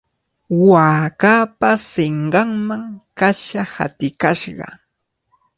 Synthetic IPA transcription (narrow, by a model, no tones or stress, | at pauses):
waːkaːpasɪɴɢɑŋmaŋkaʃaha̰t̪ɪkaʃɢɑ̰